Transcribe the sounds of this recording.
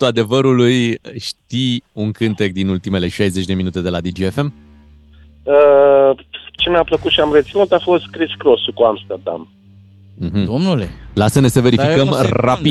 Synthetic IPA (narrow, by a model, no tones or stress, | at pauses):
t̪uad̪e̞vəɾulujʃt̪iuŋkɨnt̪e̞k̚d̪inult̪ime̞le̞ʃajze̞t͡ʃʲd̪e̞minut̪e̞d̪e̞lad̪id͡ʒiefe̞m | ə | t͡ʃeneapləkut̪ʃiamret̪sinut̪afo̞st̪kɾiskɾosukuamst̪erd̪a̰m | m̩ɦm̩d̪omnulelasənesəve̞ɾifikəmrapi